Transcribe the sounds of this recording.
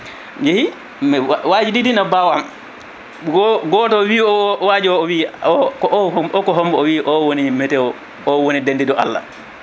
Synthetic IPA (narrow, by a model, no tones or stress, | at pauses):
d͡ʒehi | mɛwad͡ʒididinabawam | ɡɔɡɔtɔwiːɔwaːd͡ʒiwɔɔwiːɔkɔʔhɔɔkɔɦɔmbɔɔwiːʔɔwonimɛtɛwɔ | ɔwonidendidɔʔa̰lːa̰